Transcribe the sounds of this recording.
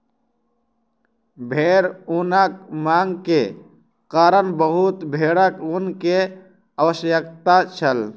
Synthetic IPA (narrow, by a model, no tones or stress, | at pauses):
bʱeːɾunək̚maːŋɡke | kaːɾənbəɦut̪bʱeːɽəkunke | əwəsjəkt̪at͡ʃʰəl